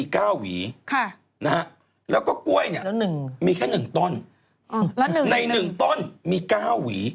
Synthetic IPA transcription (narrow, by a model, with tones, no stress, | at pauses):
iː˧kaː˥˩wwḭː˩˦kʰa˥˩ | na˦˥ha˦˥ | lɛː˦˥wkɔː˥˩ku˧˩əjni˦˥˩ɐlnɯ˨˩ŋmiː˧kʰɛː˥˩nɯ˨˩ŋt̪o˥˩n˧˩˦ | na˧jnnɯ˨˩ŋt̪o˥˩nmiː˧kaː˥˩wːiː˩˦